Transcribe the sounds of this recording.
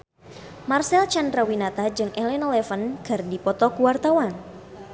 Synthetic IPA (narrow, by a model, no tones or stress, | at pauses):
marsɛlt͡ʃandɾawinat̪ad͡ʒɨŋɛlɛnɔlɛfənkərdipɔt̪ɔkuwart̪awan